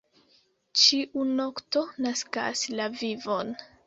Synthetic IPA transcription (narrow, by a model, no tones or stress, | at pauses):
t͡ʃiʔunokto̞naska̰slavivo̞n